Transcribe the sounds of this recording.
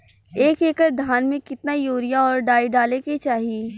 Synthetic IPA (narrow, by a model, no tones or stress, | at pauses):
eːkeːkəɾd̪ʱaːnmẽkɪt̪najoːɾijaɔːɾɖaːiɖaːleket͡ʃaːɦie